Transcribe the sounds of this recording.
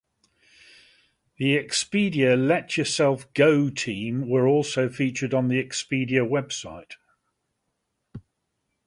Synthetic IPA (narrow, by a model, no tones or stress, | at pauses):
ðiɛkspiːdiəlɛt͡ʃəsɛlˠfɡ̥əʊtʰĩːmwəɹɔˑlˠsəʊfiˑt͡ʃədn̩ðiɛkspiːdiəwɛb̥saɪt